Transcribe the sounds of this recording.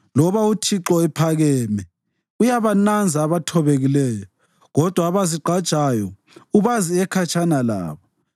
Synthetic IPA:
lɔβautʰiǁɔɛpʰaɣɛːmɛ | ujaβanand͡zʱaːβatʰɔβeɣilɛːjɔ | ɣɔd̥ʱwaːβaziǃʱad̥ʒ̥ʱajɔ | uβaziɛkʰat͡ʃʰʼanala̰ːβɔ

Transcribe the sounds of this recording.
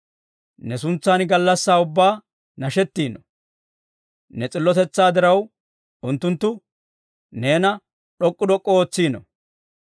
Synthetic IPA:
nɛsʊnt͡sːanɡɐlːɐsːaːʊbːaː | nɐʃɛt̪ːiːnɔ | nɛt͡sʼɪlːɔt̪ɛt͡sːaːd̪ɪɾɐw | ʊnt̪ːʊnt̪ːʊ | ne̞ːnɐ | ɗɔkʼːʊd̪ɔkʼːɔoːt͡sːiːnɔ̰

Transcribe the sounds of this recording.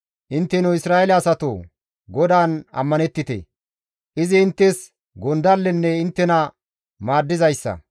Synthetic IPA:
ʔɪnt̪ːɛnʊɪsɾaːɛlɐɐsɐt̪o̰ː | ɡɔd̪aːnɐ̰mːɐnɛt̪ːɪt̪ɛ̰ | ʔɪzɪːnt̪ːɛs | ɡɔnd̪ɐlːɛnːɛɪnt̪ːɛnɐ | maːd̪ːɪzɐjsːɐ̰

